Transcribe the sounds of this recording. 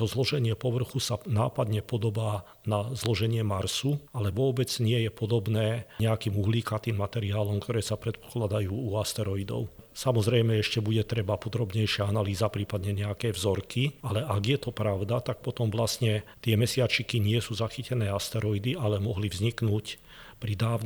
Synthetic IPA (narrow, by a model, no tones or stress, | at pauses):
t̪ɔzlɔʒɛɲɪɛpɔʋr̩xusanaːpad̪ɲɛpɔd̪ɔbaː | nazlɔʒɛɲɪɛmaɾsualɛʋɔbɛd͡zɲɪɛjɛpɔd̪ɔbnɛːɲɛakiːmuɦliːkat̪iːmːat̪ɛɾiaːlɔmkt̪ɔɾɛːsapɾɛt̪̚pɔ̥klad̪ajuːuast̪ɛɾɔid̪ɔ̰ʊsamɔzɾɛjmɛɛʃcɛbuɟɛt̪ɾɛbapɔd̪ɾɔbɲɛjʃɪaanaliːzapɾiːpad̪ɲɛɲɛakɛːvzɔɾkialɛʔaɡjɛt̪ɔpɾaʊd̪at̪ak̚pɔt̪ɔmvlasɲɛt̪ɪɛmɛsɪat͡ʃikiɲɪɛsuːzaxicɛnɛːast̪ɛɾɔid̪ialɛmɔɦlivzɲiknuːc | pɾid̪aːʊn